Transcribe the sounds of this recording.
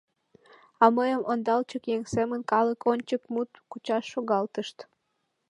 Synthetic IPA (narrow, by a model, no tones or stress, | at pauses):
ɑməjəmʔond̪ɑlt͡ɕəkjeŋsemənkɑləkonʲt͡ɕəkmut̪kut͡ɕɑʃːoɣɑlt̪əʃt̪